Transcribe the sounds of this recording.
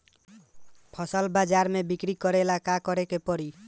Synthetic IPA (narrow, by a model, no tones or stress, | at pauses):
pʰʌsəlbad͡ʒaɾmebikɾikɔɾelakakɔɾekepɔɾi